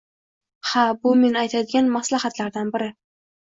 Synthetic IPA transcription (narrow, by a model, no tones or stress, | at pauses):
habʊme̞najt̪ʰad̪ɪɡʲanmaslahat̪laɾd̪anbɪɾɪ